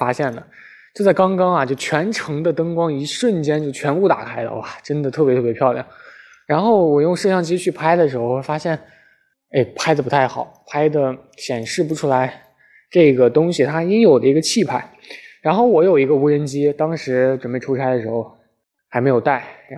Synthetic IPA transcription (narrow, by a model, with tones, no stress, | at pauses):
fa˥ɕjɛ˥˩nd̪ə˩ | t͡ɕjo˥˧ʊt͡sa˥˩ɪkɑ˥ŋkɑ˥ŋɐ˨t͡ɕjo˥˩ʊt͡ɕʰɥɛ˧˥nʈ͡ʂʰɤ˧˥ŋd̪ə˧t̪ɤ˥ŋkwɑ˥ŋi˧˥ʂwə˥˩nt͡ɕjɛ˥nt͡ɕjo˥˩ʊt͡ɕʰɥɛ˧˥npu˥˩t̪a̰˨˩kʰa˥ɪlə̰˧wa˨˩ʈ͡ʂə˥nd̪ə˨t̪ʰɤ˥˩jɛ˧˥t̪ʰɤ˥˩jpʰjɑ˥˧ʊljɑ̰˥˩ŋ | ɻa˧˥nxo˥˩ʊwɔ˨˩jʊ˥˧ŋʂɤ˥˧ɕjɑ˥˧ŋt͡ɕi˥t͡ɕʰy˥˩pʰa˥ɪd̪ə˨ʂɻ̩˧˥xo˥˧ʊ˥fa˥ɕjɛ˥˩n | e˥˩ɪpʰa˥ɪdə˧pu˧˥t̪ʰa˥˩ɪxɑ˨˩˦pʰa˥ɪd̪ə˨ | ɕjɛ˨˩nʂɻ̩˥˩pu˧˥ʈ͡ʂʰu˥la˧˥ɪ | ʈ͡ʂɤ˥˩ɡə˩t̪ʊ˥ŋɕi˨˩t̪ʰa˥i˥ŋjo˨˩d̪ə˦i˧˥ɡə˧t͡ɕʰi˥˩pʰa˥˩ɪ | ɻa˧˥nxo˥˩ʊwɔ˧˥jo˨˩ʊi˧˥ɡə˧u˧˥ɻə˧˥nt͡ɕi˥t̪ɑ˥ŋʂɻ̩˧˥ʈ͡ʂwə˨˩npe˥˩ɪʈ͡ʂʰu˥t͡sʰa˥ɪd̪ə˨˩ʂɻ̩˧˥xo˥˧ʊ | xa˧˥m˧˥ɪjo˨˩ʊt̪a˥˩ɪ˧˥